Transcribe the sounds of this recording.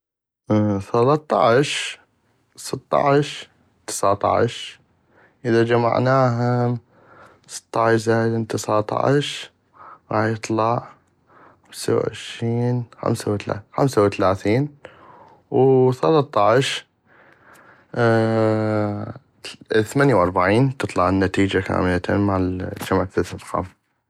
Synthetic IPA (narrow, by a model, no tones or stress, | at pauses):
θɑlɑt̪ˤːɑ̰ʕʃ | sɨt̪ˤːɑ̰ʕʃ | t̪ɪ̥sʕt̪ˤɑ̰ʕ̰ʃ | ʔɪəðad͡ʒama̰ʕnaːɦa | sɨ̥t̪ˤːɑʕɪʃzajd̪ɪnt̪ɪsɑʕt̪ˤɑ̰ʕ̰ʃ | ɾɑ̰ːħjɨt̪ˤlɑʔ | amsa̰wʕɪ̰ʃɾiːnxa̰msawt̪a̰xamsawt̪alaːθiːn | wθalɑt̪ˤːɑʕʃ | θmanjawʔɑɾˤbaʕiːnt̪ɨt̪ˤlɑʕnːat̪iːd͡ʒaka̰ːmɪlat̪ːmaʕd͡ʒamʕaθɪθɪlxa̰ːm